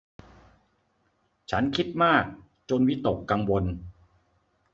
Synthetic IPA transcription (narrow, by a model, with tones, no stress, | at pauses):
t͡ɕʰa˦˥nkʰi˦˥t̪̚maː˥˩k̚ | t͡ɕo˧nwi˦˥t̪o˨˩kːa˧ŋwo˧n